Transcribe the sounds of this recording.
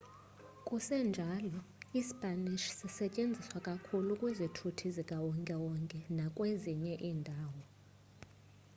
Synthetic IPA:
kʼusɛnd͡ʒʱalɔispʼaniʃsisɛcʼend͡zʱiswakʼakʰulukʼwizitʰutʰizikʼawɔŋkʼɛwɔŋkʼɛnakʼweziɲɛʔiːndʱaːwɔ

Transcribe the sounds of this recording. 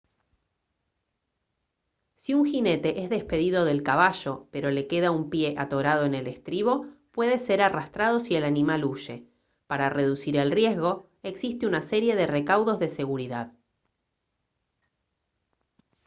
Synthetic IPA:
siuŋxine̞t̪e̞ʔezðe̞spe̞ðiðo̞ðe̞lkaβ̞aʒo̞pe̞ɾo̞le̞ke̞ðaumpje̞ʔat̪o̞ɾað̞o̞enele̞st̪ɾiβo̞pwe̞ðe̞se̞ɾarast̪ɾaðo̞sie̞lanimaluʃe̞ | paɾare̞ðusiɾe̞lrje̞zɣo̞ | e̞ksist̪eunase̞ɾje̞ðe̞re̞kawðo̞zðe̞se̞ɣuɾiðað

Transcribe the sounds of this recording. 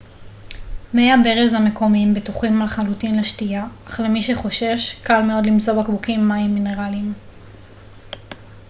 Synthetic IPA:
mejabeʁezhame̞ko̞mimbetuχimalχalutinleʃtiaːχʁemiʃe̞χo̞ʃe̞ʃkalmeo̞dlimzo̞bakbukimːaimːine̞ʁalim

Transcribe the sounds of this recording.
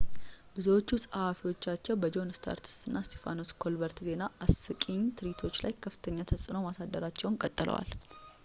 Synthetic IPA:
bɨzəwo̞t͡ʃːusʼɨhafiwo̞t͡ʃːat͡ʃːɛwbəd͡ʒo̞nst̪ʰa̰ɾt̪ʰi̥st̪ɨnːast̪ʰefa̰no̞skʰo̞lbəɾt̪ze̞naʔasɨkʼiɲt̪ʰɨɾit̪ʰo̞t͡ʃːlajkʰəfɨ̥t̪ʰəɲːat̪ʰəsʼɨnəwmasad̪ːəɾat͡ʃːɛwnkʼət̪ʼːɨlə̰wa̰l

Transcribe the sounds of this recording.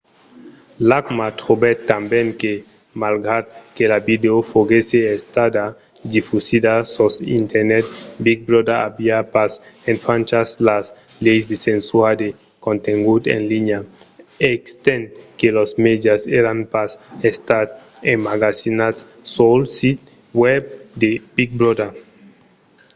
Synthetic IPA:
lakmat̪ɾobet̪ːambeŋke | malɡɾad̪̚kelabid̪eofoɣeseest̪ad̪a | d̪ifusid̪asosḭnt̪eɾnet̪̚bik̚bɾod̪aabiapasenfant͡ʃaslas | lejsd̪esensuad̪e | kõnt̪eŋɡut̪ḛnliɲaekst̪ẽnkelosmed̪jaseɾanpasest̪at̪enmaɡasinas | solsit̪̚ | web̚d̪eb̥iɡ̚bɾod̪a

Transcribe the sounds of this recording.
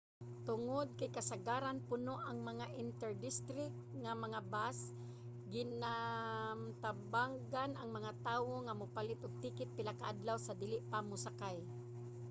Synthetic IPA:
t̪ʊŋod̪̚kajkasaɡaːɾanpʊnoʔaŋmɐŋaʔɪnt̪ɛɹd̪ɪst̪ɾɪk̚t̪̚ŋamɐŋabas | ɡɪnamt̪abaŋɡanaŋmɐŋat̪aːwoŋamʊpalɪt̪ʔʊɡ̚t̪iːkɪt̪̚pɪlakaʔad̪lawsad̪ɪlɪʔpamʊsakaj

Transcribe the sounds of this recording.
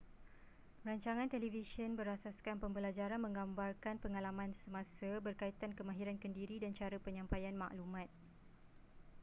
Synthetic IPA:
raɲt͡ʃaŋãnt̪elivisənbəɾasaskanpəmbəlad͡ʒaɾanmə̃ŋɡambarkanpəŋalamãnsəmãsəbərkait̪ankəmãɦiɾankəndiɾidant͡ʃaɾəpəɲãmpajanmã̰ʔlumãt̪̚

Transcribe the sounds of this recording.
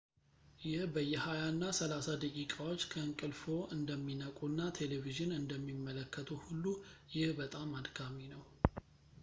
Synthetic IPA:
jɪhbəjːɛhajanːasəlasad̪əkʼikʼawo̞t͡ʃːkʰəɨŋkʼɨlfo̞ɨnd̪əmːinəkʼunːat̪ʰe̞leviʒɨnɨnd̪əmːimːələkʰːət̪ʰuhulːujɪhbət̪ʼamːad̪kʰaminəw

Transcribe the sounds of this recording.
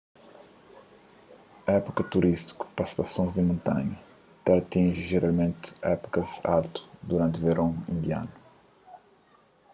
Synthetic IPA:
ɛpukɐt̪uɾʔist̪i̥ku̥pɐst̪ɐsõzd̪ɪmõnt̪ã̰ɲɐ | t̪ɐt̪ĩʒiʒeɾalˠmẽnt̪ɛ̰pu̥kɐza̰lt̪u̥d̪uɾãnt̪veɾõḭ̃nd̪ia̰nu

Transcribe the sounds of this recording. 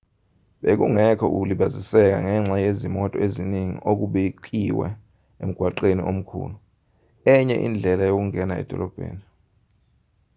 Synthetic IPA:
ɓek̬uŋɛkʰɔʔuk̬uliɓazisɛk̬a̰ŋɛŋ͡ǁajezimɔtʼɔeziniŋḭʔok̬uɓek̬ʼiwɛ̰ | ḛm̩ɡ̥ʱwaǃeniʔom̩kʰṵːlu | ɛɲɛ̰ʔḭnd͡ɮʱɛlajok̬uŋɛnaɛ̰d̥ʱɔlɔb̥ʱḛːni

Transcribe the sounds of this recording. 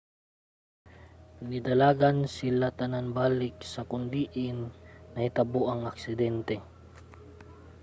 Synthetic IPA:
nɪd̪ɐlaːɡansɪlat̪ɐnanbaːlɪk̚sɐkʊnd̪iːʔɪnːɐhɪt̪ɐboʔɐŋɐksɪd̪ɛnt̪ɛ

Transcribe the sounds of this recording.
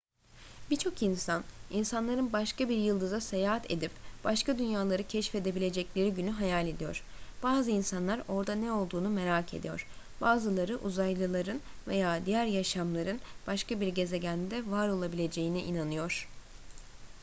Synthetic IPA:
bit͡ʃʰo̞kinsaninsanlˠaɾɯnbaʃkabiɾjɯlˠd̪ɯzase̞jaːɦat̪ʰe̞̰d̪ipb̥aʃkad̪ynjaːlˠaɾɯcʰɛʃfe̞d̪e̞bilʲe̞d͡ʒɛclʲe̞ɾiɟynyɦajalʲe̞d̪ijo̞̰ɾ̥b̥aːzɯinsanlˠaɾo̞ɾd̪anɛo̞lˠd̪uːnume̞ɾaːcʰe̞̰d̪ijo̞̰ɾ̥ | b̥aːzɯlˠaɾɯʔuzajlˠɯlˠaɾɯnve̞jaːd̪ijæɾjaʃamlˠaɾɯnb̥aʃkabiɾɟe̞ze̞ɟænd̪ɛvaɾo̞lˠabilʲe̞d͡ʒe̞jiniʔinanɯjo̞ɾ̥

